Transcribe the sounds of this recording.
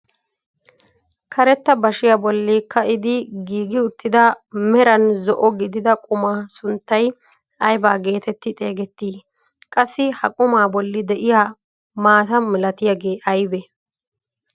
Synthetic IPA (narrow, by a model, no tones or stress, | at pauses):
kʰɐɾɛt̪ːɐbɐʃɪjabɔlːɪkːɐʔɪd̪ɪɡiːɡɪʊt̪ːɪd̪ɐ | mɛɾɐnzɔʔɔɡɪd̪ɪd̪ɐkʼʊmaːsʊnt̪ːɐj | ʔɐjbaːɡe̞ːt̪ɛt̪ːɪt̪ʼe̞ːɡɛt̪ːiː | kʼɐsːɪhɐkʼʊmaːbɔlːɪd̪ɛʔɪjaː | maːt̪ɐmɪlɐt̪ɪjɐɡe̞ːʔɐjbɛ